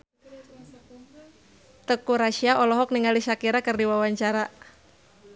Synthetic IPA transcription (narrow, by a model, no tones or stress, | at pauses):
t̪əkuɾaʃiaʔɔlɔɦɔk̚niŋalisakiɾakərdiwawaɲt͡ʃaɾa